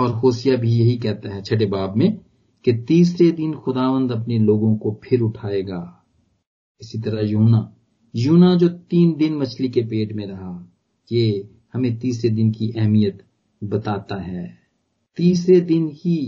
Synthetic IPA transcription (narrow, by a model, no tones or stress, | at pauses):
ɔːɾɦoːsijabʱijɐɦikɛɦt̪aɦɛt͡ʃʰɐʈebaːbmẽ | ket̪iːsɾed̪ɪnxʊd̪aːʋə̃nd̪ɐpneloːɡõkopʰɪɾʊʈʰaːeːɡaː | ɪsit̪ɐɾaɦjuːna | juːnad͡ʒoːt̪iːnd̪ɪnmɐt͡ʃʰlikepeːʈmẽɾɐɦa | je | hɐmẽt̪iːsɾed̪ɪnkiʔɛɦmijət̪ | bɐt̪aːt̪aɦɛː | t̪iːs̬ɾed̪ɪnɦi